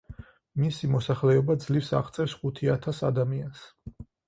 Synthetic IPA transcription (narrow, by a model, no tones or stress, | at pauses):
misimɔsaχlɛɔbad̪zlifsa̰ʁt̪sʼɛfsχut̪ʰiat̪ʰasa̰d̪amians